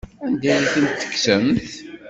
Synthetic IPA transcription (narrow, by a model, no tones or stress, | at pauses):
ænd̪æjiθənt̪ːə̥kːsəmθ